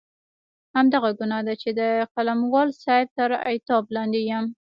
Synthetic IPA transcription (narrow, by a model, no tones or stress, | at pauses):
hamd̪aɣaɡunad̪at͡ʃed̪əqalamwɑlsaɪb̚t̪əɾa̰jt̪ɑblɑnd̪ejam